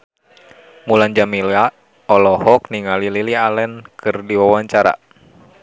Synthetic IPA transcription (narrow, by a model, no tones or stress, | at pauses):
muland͡ʒamila | ɔlɔhɔk̚niŋalililialɛnkɨrdiwawaɲt͡ʃaɾa̰